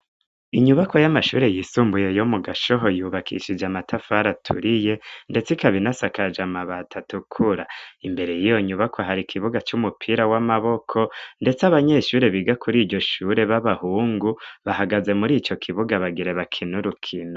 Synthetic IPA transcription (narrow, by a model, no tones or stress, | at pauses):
iɲuβako̞jamaʃṵːɾe̞jiːsuːmbuje̞jomuɡaʃo̞ɦojuːβakʰḭʃid͡ʒamatʰafaɾatʰṵɾije̞nde̞t͡sikaβinasakad͡ʒamaβatʰatukʰuɾaimbe̞ɾe̞jijo̞ɲuβakʰo̞ɦaɾikʰiβuɡat͡ʃumupʰiɾawamaβo̞kʰo̞nde̞t͡saβaɲe̞ʃuːɾe̞βiɡakʰuɾiːɟo̞ʃuɾe̞βaβahuːŋɡuβaɦaɡaze̞muɾiːt͡ʃo̞kʰiβuɡaβaɡiɾe̞βakʰinuɾukʰino